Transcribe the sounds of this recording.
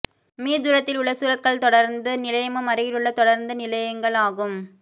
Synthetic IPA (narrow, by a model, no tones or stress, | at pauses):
miːd̪ʊɾɐt̪ːɪlʊɭːɐsuːɾɐt̪̚kɐɭt̪ɔɽɐɾnd̪ɯnɪlɐjɐmɐmɐɾɪjɪɾɯɭːɐt̪ɔɽɐɾnd̪ɯnɪlɐjɐŋɡɐɭaːɣɯm